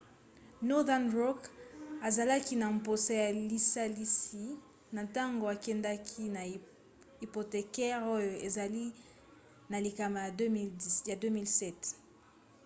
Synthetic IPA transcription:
nɔ˦ða˦nʁɔ˦ka˨za˨la˦ki˦na˨m̩˨po˨sa˦ja˨li˦sa˦li˦si˨ | na˨ta˦ŋɡo˨a˨kɛ˦nda˦kʰi˦na˨ | i˨po˨te˨kɛ˦ʁo˦jo˨e˨za˨li˦ | na˨li˨ka˨ma˨ja˨˦ja˨dø˦mi˦lsɛ˦t

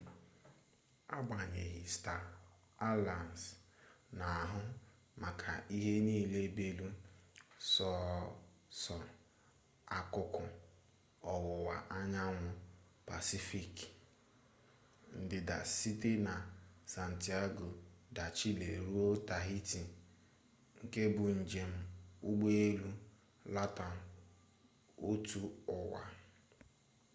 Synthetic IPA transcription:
a˦ɡ͡ba˨ɲe˨ɦɪ˨sta˨ | a˦la˨n˨sna˨ɦʊ˦ | ma˨kʰa̰˨i˦ɦe˦niː˦˨le˦be˦lu˦ | sɔ˦ | sɔ˨n | a˦kʊ˦kʊ˦ | ɔ˨wʊ˨wa̰˨ʔa˦ɲa˦ŋʷʊ˦ | pa̰˨si˦fi˨k | n̩˨dɪ˨da̰˨si˦te˦na˨sa˨n̩˨ti˦a˦ɡo˨da˨t͡ʃi˦le˨ɾu˦o˦ta˨ɦi˦ti˨ | ŋ̩˦ke˦bʊ˨n̩˨d͡ʒe˨m̩˨u˦ɡ͡be˦e˦lu˦ | la˦ta˨n˨ | o˦tu˦ʊ˨wa̰˨

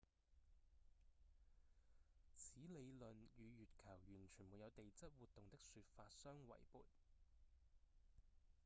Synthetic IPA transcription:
t͡sʰiː˨˥le˨˧jlɵ˨njyː˨˧jyː˨t̚kʰɐ˨˩wjyː˨˩nt͡ʃʰyː˨˩muː˨˧jɐ˨˧wt̪e˨jt͡sɐ˥t̚wuː˨t̚t̪ʊ˨ŋt̪ɪ˥k̚syː˧t̚faː˧t̚sœː˥ŋwɐ̰˨˩jpṵː˨t̚

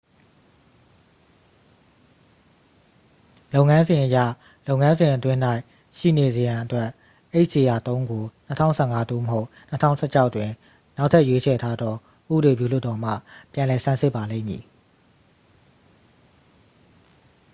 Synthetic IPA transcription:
lo˦ʊŋã˦nzɪ̃˨ʔəja̰˦˨ | lo˦ʊ̃˨ŋã˦nzɪ̃˨ʔət̪wɪ̃˦n̥a˦ɪ | ʃḭ˦˨ne˨ze˨jã˨ʔətwɛ˦ʔ | e˦ɪʔse˨ja˨t̪õ˦ʊ̃ŋɡo˨n̥ə˦tʰã̰˦˨ʊ̃sʰɛ˦˨ŋa˦d̪u˦˨məɦo˦ʊʔ | n̥ə˦tʰã̰˦˨ʊ̃sɛ˦˨t͡ɕʰa˦ʊʔtːwɪ̃˨ | na˦ʊtʰɛ˦ʔjwe˦t͡ɕʰɛ˨tʰa˦d̪ɔ˦ | ʔṵ˦bəɾe˨bjṵ˦˨l̥ʊ˦tːɔ˨m̥ä̰˦˨pjã˨lɛ˨sʰã˦˨nsɪ˦ʔpːa˨lḛ̃˦˨mjḭ˨

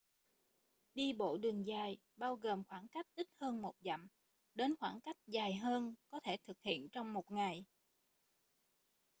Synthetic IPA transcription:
ɗi˧ɓo̰˧˨ɗɨ˨˩əŋzaː˨˩j | ɓaː˧wɣəː˨˩mxwaː˧˩ŋka˦˥jk̟̚ʔi˦˥t̚həː˧nmo˨˩t̚za̰˧˨m | ɗe˨˦nxwaː˧˩nka˦˥jk̟̚zaː˨˩jɦəː˧nkɔ˨˦t̪ʰe˧˩t̪ʰɨ˨˩k̚hḭ˧˨ənt͡ɕɔ˧wŋ͡mmo˨˩t̚ŋa˨˩j

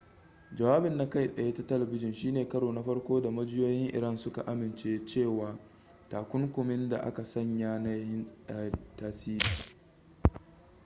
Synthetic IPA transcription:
d͡ʒɐ˨waː˦bɪ˨nːa˦ka˦jsʼɐ˨jeː˦ta˨tɐ˦lɐ˨bɪ˦d͡ʒɪ˨nʃiː˦neː˨kɐ˦ɽoː˨na˦ɸɐ˦ɽkʷoː˦da˨mɐ˦d͡ʒɪ˦joː˦jɪ˦ŋʔɪ̰˨ɾɐ˦nsʊ˦ka̰˨ʔa˦mɪ˨nt͡ʃeː˦t͡ʃeː˦˨waː˨ | taː˨kʷʊ˦ŋkʷʊ˨mɪ˦nda̰˨ʔa̰˦ka˨sɐ˦˨ɲjaː˦na˦jjɪ˦nʼː˦i˨taː˦siː˦ɾiː˨

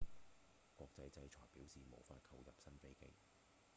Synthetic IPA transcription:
kʷɔː˧k̚t͡sɐ˨˥jt͡sɐ˨˥jt͡ʃʰɔː˨˩piː˨˥wsiː˨mo̰˨˩wfa̰ː˧t̚kʰɐ˧wjɐ̰˨p̚sɐ˥nfe˥jkḛ˧j

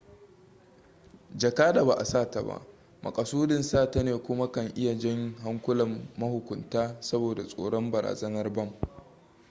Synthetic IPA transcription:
d͡ʒɐ˨kaː˦da˨ba˨ʔa˨saː˦˨ta˨ba̰˦˨ʔ | mɐ̰˨kʼɐ˨suː˦dɪ˨nsaː˦˨ta˦neː˨kʷʊ˦ma˦kɐ˨ŋʔɪ˦ja˨d͡ʒɪ˦ŋɦa˦ŋkʷʊ˦lɐ˨mːɐ˦hʊ˨kʷʊ˨ntaː˦sɐ˦boː˨da˨sʼoː˨ɽɔ˦mbɐ˨ɾa̰ː˨zɐ˦nɐ˦rbɐ˦˨m

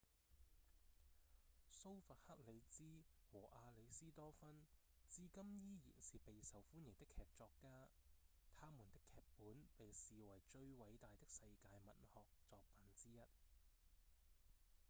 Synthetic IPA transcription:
so˥wfɐ˨˩t̚hɐ˥k̚le˨˧jt͡siː˥wɔː˨˩ʔaː˧le˨˧jsiː˥t̪ɔː˥fɐ˥n | t͡siː˥kɐ˥mjiː˥jḭː˨˩nsiː˨pe˨jsɐ˨wfuː˥njɪ˨˩ŋt̪ɪ˥kʰɛː˨k̚t͡sɔː˧kːaː˥ | t̪ʰaː˥muː˨˩nt̪ɪ˥kʰːɛː˨k̚puː˨˥npe˨jsiː˨wɐ˨˩jt͡ʃɵ˧ɥwɐ˨˥jt̪aː˨jt̪ɪ˥k̚sɐ˧jkaː˧jmɐ˨˩nhɔː˨k̚t͡sɔː˧k̚pɐ˨nt͡siː˥jɐ˥t̚

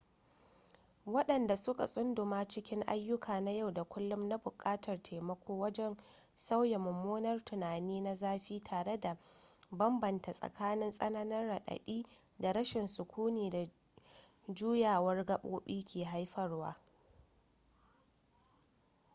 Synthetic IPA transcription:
wɐ˦ɗɐ˨nda˨sʊ˦ka̰˨sʼʊ˦ndʊ˨maː˦t͡ʃɪ˦kʲɪ˦ŋʔa˦jːʊ˦kʰaː˨na˦ja˦˨wda˨kʷʊ˦lːʊ˦mna˦bʊ˨kʼaː˦tʰɐ˨rtʰeː˨mɐ˦kʷʰoː˦wɐ˦d͡ʒɛ˦n | sa˦wja˨mʊ˨mːoː˦nɐ˦rtʊ˨naː˨niː˦na˦zaː˦ɸiː˦tʰaː˨ɽe˦da˨bɐ˦mbɐ˨nta˨sʼɐ̰˨kʰaː˦nɪ˦nsʼɐ˦nɐ˦nɐ˦rːa˨ɗɐ̰˨ɗiː˦ | da˨ɾɐ˦ʃɪ˨nsʊ˨kʷuː˦niː˨da˨ | d͡ʒuː˦jaː˨wɐ˦rɡɐ˦ɓo̰ː˦ɓiː˦kʲʰeː˨ɦa˦jɸɐ˦rwa̰ː˦

